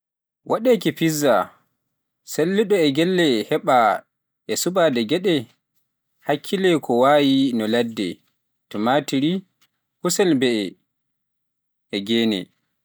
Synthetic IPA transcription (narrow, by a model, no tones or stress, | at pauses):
wʔaɗɛkipizːa | selːiɗɔɛɡɛlːɛhɛɓa | ʔɛsuɓadɛɡɛɗɛ | hakʰːilɛkʰɔwaːjinɔladːɛ̰ | tɔmatiɾi | husɛlbɛɛ | ɛɡɛːnɛ̰